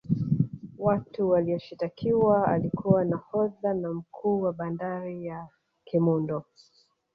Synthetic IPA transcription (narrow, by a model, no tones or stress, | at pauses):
watuwaliɔʃitakʰiwaalikuwanahɔðanam̩kʰuːwaɓandaɾija | kʰɛmundɔ